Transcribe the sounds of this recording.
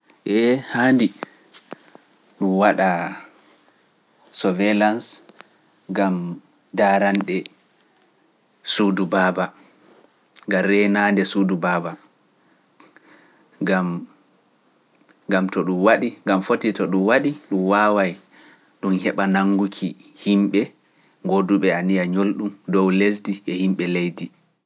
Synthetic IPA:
ʔɛhandi | ɗumwaɗa | sɔvelans | ɡam | daːɾanɗɛ | sudubaːba | ɡamɾɛjnaːndɛsudubaːba | ɡam | ɡamtɔɗumwaɗiŋɡamfotitɔɗumwaɗiɗumwaːwaj | ɗumhɛɓanaŋːɡukʰihimɓɛ | ŋɡoduɓɛanijaɲolɗumdɔwles̬diʔɛhimɓɛlejdi

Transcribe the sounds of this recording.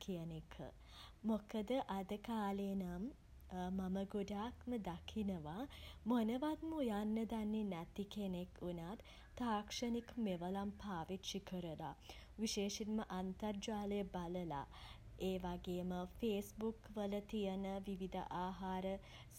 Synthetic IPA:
kʰijənekʰə̰ | mokəd̪əʔad̪əkaːlenam | maməɡuɖaːkməd̪akʰinəʋamonəʋat̪mujanːəd̪anːenæt̪ikenekʰunaːt̪ | t̪aːkʂənikmeʋəlampʰaːʋit̪ʃikəɾəla̰ʋiʃeːʂinməʔant̪ərd͡ʒaːləjəbaləla̰ | eːʋaɡeːməfeːsbukʋələt̪ijənəʋiʋid̪ʱə̰ʔaːɦaːɾə | s

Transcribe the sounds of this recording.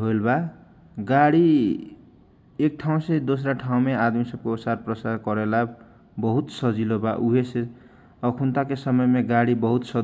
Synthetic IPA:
ɦolba | ɡaɽi | ek̚ʈʰaw̃sʌjd̪os̬ɾaʈʰaw̃mead̪misʌb̚koosarprʌsaɾkʌɾela | bʌɦut̪sʌd͡zilobaʔuɦese | ʌkʰunt̪akesʌmʌemeɡaɽibʌɦut̪sʌ

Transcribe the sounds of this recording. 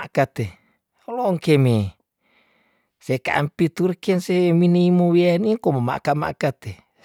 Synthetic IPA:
akat̪e | oloŋkeme | sekaʔa̰mpit̪urkenseminiimowianiŋkomoma̰ʔkama̰ʔkat̪e

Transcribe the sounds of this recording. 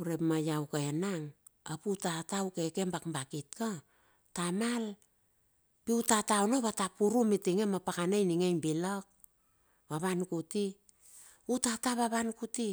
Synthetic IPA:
uɾepmajawkaenaŋ | aputatawkeke̞mbakmbakitka | tamal | piutataonoβatapuɾumitiŋemapakanajniŋejnbilok̚ | βaβankuti | utataβaβankuti

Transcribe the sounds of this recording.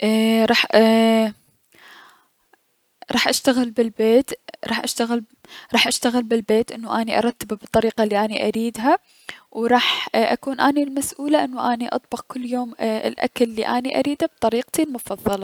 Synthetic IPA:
ʔɾˤɑːħ | ɾˤɑːħʔaʃt̪aɣɪlbɪlbeːt̪ɾˤɑːħʔaʃt̪aɣɪl | ɾˤɑːħʔaʃt̪aɣɪlbɪlbeːt̪ʔɪnːuʔaːniʔɑ̰ɾˤɑt̪ːabbɨt̪ˤːɑɾiːqɑlːiːʔaːniʔaɾiːd̪ɦa | wɾˤɑːħʔa̰kuːnʔaːnilmasʔuːlaʔɪnːuʔaːniʔɑ̰t̪̚ˤbɑqkʊlːjoːmɪ̰lʔa̰kalːḭːʔaːniʔa̰ɾiːd̪ab̚t̪ˤɑɾiːqt̪ilmʊfɑðˤːɑlɑ

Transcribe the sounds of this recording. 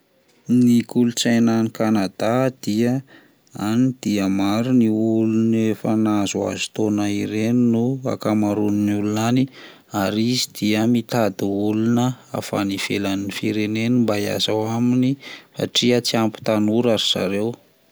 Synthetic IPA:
nikulut͡sajnanikanad̪ad̪̥iə | anid̪̥iəmaɾuniulunefənazua̰zu̥t̪onaiɾeninua̰kamaɾunnulunani | aɾizid̪̥iəmit̪ad̪iulunəa̰fa̰niv̥elaninifiɾenenimbaia̰zawaminifa̰ʈ͡ʂiət͡siampu̥t̪anuɾaɾiz̥a̰ɾew

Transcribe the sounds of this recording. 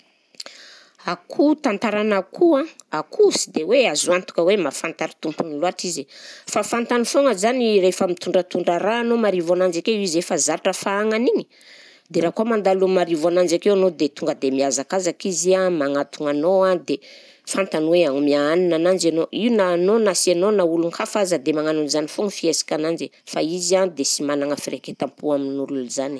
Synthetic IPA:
akʰut̪ant̪aɾanakʰuãakʰusid̪eweazuant̪u̥kəwemafant̪aɾi̥t̪umpuniluaʈ͡ʂizifafant̪anifoŋəzanirefəmit̪uɳɖ͡ʐət̪uɳɖ͡ʐəɾaːnomaɾivanand͡ʒakeizefazaɾaʈ͡ʂəfaaŋaniɲi̥ | d̪eɾaːkuamand̪alumaɾivanand͡ʒakewanod̪et̪uŋɡəd̪emiazakazakiziamaŋat̪uŋanoad̪e | fant̪anweaŋumiaaninanand͡ʒanoiunanonasianonauluŋkʰafazəd̪emaŋanunzanifoŋəfiesḁkʲanand͡ʒe | faizand̪esimanaŋəfireket̪ampuaminululzani̥

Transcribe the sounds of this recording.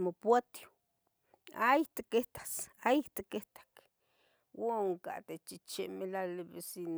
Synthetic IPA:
mopwat̪jo̥ | ait̪ekeht̪ḁsajiht̪ekeht̪ḁk | woŋka̰t̪et͡ʃit͡ʃemelaleβesin

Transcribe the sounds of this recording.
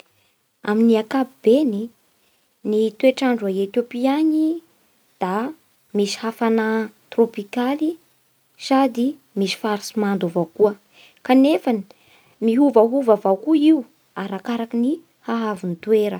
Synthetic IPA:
aminiakapibeni | nit̪ueʈ͡ʂaɳɖ͡ʐuaet̪jopiaɲi | d̪̥a | misi̥hafanat̪ropikali | sad̪i | misi̥faɾisimand̪ovawkuə | kanefani̥ | miɦuvaɦuvavawkuiu | aɾakaɾakini | haɦavunit̪weɾə

